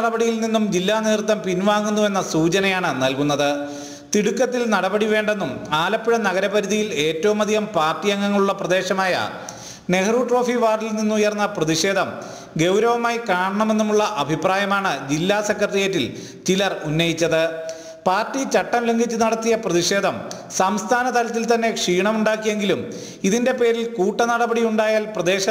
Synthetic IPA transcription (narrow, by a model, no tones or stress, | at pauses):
ɐɽɐbɐɽijilninːumd͡ʑilːaːniːrt̪ːɐmpinʋaːŋːunːue̞nːɐsuːt͡ɕɐnɐjaːɳɨnɐlkunːɐðɨ | t̪iɽukːɐt̪ːilnɐɽɐbɐɽiʋe̞ːɳɖe̞nːumaːlɐpːiɽɐnɐɣɐɾɐbɐɾuðijile̞ːtːɐʋumɐd̪ʱiɣɐmpaːrtːijɐŋːɐŋːɐɭuɭːɐprɐd̪e̞ːɕɐmaːjɐ̰ | nehɐruːʈro̞ːfiʋaːrilninːumujɐrɐnːɐprɐðiʂe̞ːd̪ʱɐm | ɡe̞wɾɐʋɐmaːjikaːɳɐɳɐme̞nːumuɭːɐʔɐbʱipraːjɐmaːɳɨd͡ʑilːaːsekːɐrɐrijɐtːil | t͡ɕilɐrunːɐjit͡ɕːɐðɨ | paːrtːit͡ɕɐʈːɐmleŋɡit͡ɕːɨnɐɽɐt̪ːijɐprɐðiʂe̞ːd̪ʱɐm | sɐmst̪ʰaːnɐt̪ɐlɐt̪ːilt̪ɐnːe̞kʂiːɳɐmuɳɖaːkːijeŋɡilum | iðinde̞pe̞ːɾilkuːʈːɐnɐɽɐbɐɽijuɳɖaːjaːlprɐd̪e̞ːɕɐ